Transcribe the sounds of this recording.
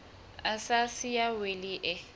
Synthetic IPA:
asasɪjaweliʔɛ

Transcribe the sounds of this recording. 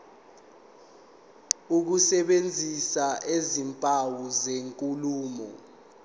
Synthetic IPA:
uk̬usɛɓend͡zʱisaʔezimpʼawuzeŋkʼuluːmɔ̰

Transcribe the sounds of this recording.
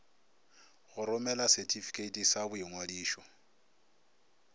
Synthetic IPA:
ɣʊɾʊmɛlasɛtʰʼifi̥kʰʼetʼisabʊiŋwadiːʃɔ

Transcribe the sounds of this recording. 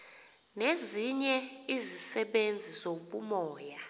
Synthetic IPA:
neziɲɛizisɛɓend͡zʱiz̥oɓumɔːja

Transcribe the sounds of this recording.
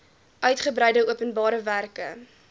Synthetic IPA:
ʔœɥtχəbɾɛjdəuəpənbɑːɾəværkə

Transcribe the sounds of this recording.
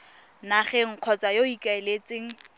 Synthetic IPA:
naχɛŋ̩q͡χʰɔt͡sʼajoikʼaelet͡sɪŋ̩

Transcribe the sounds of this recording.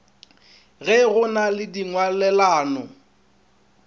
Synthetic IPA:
ɣɛɣʊnalɪdiŋwalɛlaːnɔ

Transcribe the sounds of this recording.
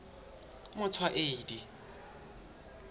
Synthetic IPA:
mʊt͡sʰwaʔeːdi

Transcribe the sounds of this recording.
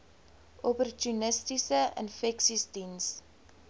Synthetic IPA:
ʔɔpɔrtunəstisəɪ̰nfɛksistins

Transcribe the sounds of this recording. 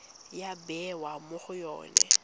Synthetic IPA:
jabɛwamʊχʊjɔ̰ːnɛ̰

